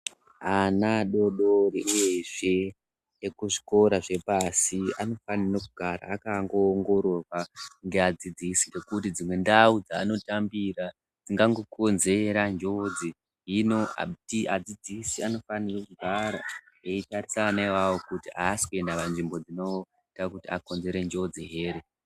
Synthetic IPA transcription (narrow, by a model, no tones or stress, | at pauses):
anaɗo̞ɗoriʔuje̞ʐe̞ | ekuʐi̥ko̞ɾaʐe̞pasiano̞fanirekuɡʱaɾa̰ːkaŋɡo̞ːŋɡo̞ɾo̞rwaŋɡe̞ad͡zid͡zisirekutid͡zimwe̞ndaud͡zaːno̞tambira | d͡ziŋɡaŋɡokʰo̞nze̞ɾand͡ʒo̞d͡zi | ɦino̞a̰tiʔad͡zid͡zisiano̞fanirekuɡʱaɾa | eitarisanaiwawokutiaːsi̥kue̞ndapanʐimbo̞d͡zino̞ | itakutiako̞nze̞ɾe̞nd͡ʒo̞d͡ziɦe̞ːɾe